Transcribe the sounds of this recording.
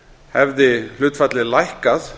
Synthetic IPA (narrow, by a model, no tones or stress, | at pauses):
hɛvðɪl̥ʏːt̪fat̪lɪlajhkaθ